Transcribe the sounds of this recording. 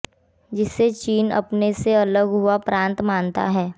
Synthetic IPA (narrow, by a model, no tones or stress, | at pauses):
d͡ʒɪsːet͡ʃiːnɐ̰pneseɐləɡɦuapɾãːnt̪mãːnt̪a̰ɦɛː